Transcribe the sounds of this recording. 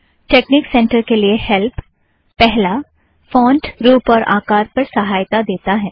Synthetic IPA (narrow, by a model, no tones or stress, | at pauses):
ʈeːkniksɛ̃ːɳʈəɾkeliehɛlpː | ɛɦla | fɔ̃ːɳɖɾuːpɔːɾʔa̰ːkaːɾpɐɾsɐɦaːjt̪ad̪eːt̪aɦɛː